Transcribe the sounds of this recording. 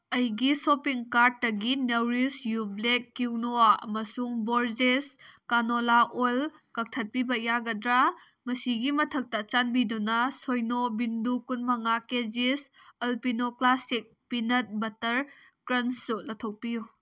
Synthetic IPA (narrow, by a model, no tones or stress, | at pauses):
ɐjɡisopiŋkaɾt̚ːɐɡinewɾisjublekːiwnowaɐ̰mɐsuŋboɾd͡ʒeskanolaʔol | kɐk̚tʰɐt̚pibɐjaɡɐdɾa | mɐsiɡimɐtʰɐk̚tɐt͡ʃanbidunɐsojnobindukunmɐŋaked͡ʒisɐlpinoklasik̚pinɐt̚bɐtɐɾ | kɾɐnsːulɐtʰow̚piju